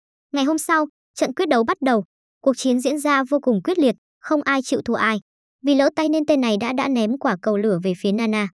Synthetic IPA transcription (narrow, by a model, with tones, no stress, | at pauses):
ŋa˨˩jɦo˧msa˧w | t͡ɕə̰˧˨nkwət̚ɗə˨˦wɓa˦˥t̚ɗə˨˩w | ku˨˩ək̚t͡ɕi˨˦ənzḭ˧˥nzaː˧vo˧kʊ˨˩ŋ͡mkwi˦˥ət̚li˨˩ət̚ | xə˧wŋ͡mʔaː˧jt͡ɕḭ˧˨wt̪ʰu˧˩əʔaː˧j | vi˨˩lə̰ː˧˥t̪a˧jne˧nt̪e˧nːa˨˩jɗa̰ː˧˥ɗa̰ː˧˥nɛ˨˦mkwaː˧˩kə˨˩wlɨ˧˩əve˨˩fi˨˦ənaː˧naː˧